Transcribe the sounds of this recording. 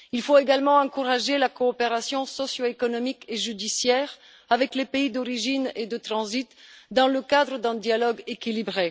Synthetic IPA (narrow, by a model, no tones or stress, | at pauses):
ilfoeɡalmɑ̃ɑ̃kuʁaʒelakɔːpeʁasjɔ̃sɔsjoekɔnɔmikeʒyd̪isjɛːʁ | avɛklepeid̪ɔʁiʒined̪ət̪χɑ̃zit̪d̪ɑ̃ləkad̪ʁəd̪ɛ̃d̪jalɔɡekʲilibʁe